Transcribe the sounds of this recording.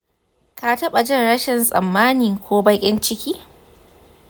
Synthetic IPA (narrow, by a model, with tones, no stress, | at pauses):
ka˨tɐ˦ɓa˨d͡ʒɪ˦˨nɽɐ˦ʃɪ˨nsʼɐ̰˨mːaː˦niː˨ŋkʷʰoː˦bɐ˦kʲʼɪ˦nt͡ʃɪ˦kʲiː˦